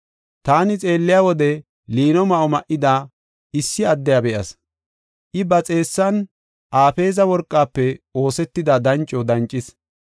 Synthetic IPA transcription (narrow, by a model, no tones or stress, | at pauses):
t̪aːnɪt͡sʼe̞ːlːɪjawɔd̪ɛ | liːnɔmɐʔɔmɐʔɪd̪aː | ɪsːɪɐd̪ːɛjɐbɛʔɐ̰s | ʔɪbɐt͡sʼe̞ːsːɐn | ʔaːfe̞ːzɐwɔɾkʼːaːpːɛo̞ːsɛt̪ːɪd̪ɐd̪ɐnt͡ʃʼːɔd̪ɐnt͡ʃʼːɪs